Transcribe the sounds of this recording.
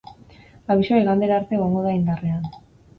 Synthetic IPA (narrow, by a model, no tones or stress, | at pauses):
aβisoiɣand̪eɾaːɾt̪e̞ɣo̞ŋɡo̞ð̞aind̪are̞an